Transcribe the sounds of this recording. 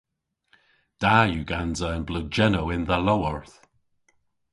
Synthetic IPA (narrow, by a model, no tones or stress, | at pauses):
d̥ajuːɡanzəənblʊd̚d͡ʒɛnowɪnðəlowəɹθ